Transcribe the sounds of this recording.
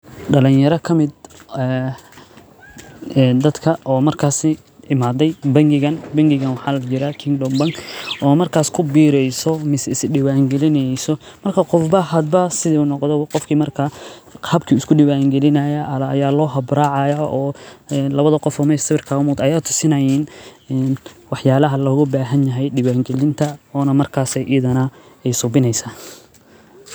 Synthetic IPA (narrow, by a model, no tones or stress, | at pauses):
ɖɐlɪnjɐɾɐkʰɐmɪd̪̚ɛː | d̪ɐd̪kʰɐʔɔːmɐrkʰaːsɪ | ʔɪmaːd̪ɛjbɐŋɡɪɣɐnbɐŋɡɪɣɐnwɑħɑːlɐt͡ʃɪɾɐkʰɪŋɡlɔmbɐŋkʔɔːmɐrkʰaːskʰʊbiːɾɛjsɔmɪsɛɪsɖɪwaːŋɡɛlɪnɛjsɔ | mɐrkʰɐqɔfbɐɦɐd̪̚bɐsɪðiunɔqd̪ɔqɔfkʰiːmɐrkʰa | qʰɑːb̚kʰiɪskʰʊɖɪwaːŋɡɛlɪnɐjɐʔɐlɐɐjaːlɔːɦɐbɾaːʕɑjɐʔɔːnlɐβɐðɐqɔfɔːmɐjst̪ɪβɪrkʰaːʊmʊːd̪ɐjaːt̪ʰʊ̥sɪnɐjiːnɛnwɑħjaːlɐɦɐlɔɣʊbaːɦɐnjɐɦɛjɖɪwaːŋɡɛlɪnt̪ʰɐɔːnɐmɐrkʰaːsɛjʔɪjɐðɐnɐ | ɛjsʊbɪnɛjsaː